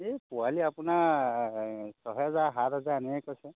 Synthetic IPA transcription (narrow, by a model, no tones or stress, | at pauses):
epualiapʊna | sɔɦɔɔzaɦat̪̚ɦɔzaɛnɛɛkɔjsɛ